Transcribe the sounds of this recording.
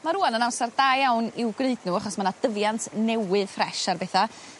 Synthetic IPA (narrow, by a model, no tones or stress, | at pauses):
maɾuːanənawsard̥aːjawnɪwɡneɨdnuaχɔsmanad̥əvjantʰnɛwɨðfrɛʃarbɛθa